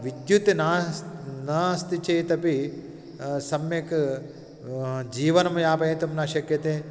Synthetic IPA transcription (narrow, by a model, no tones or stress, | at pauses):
ʋid̪jut̪inaːnaːst̪it͡ʃeːt̪ɐpi | sɐmjek | d͡ʒiːʋɐnɐmɐjaːpɐit̪ɐmnaːʃɐkjɐt̪e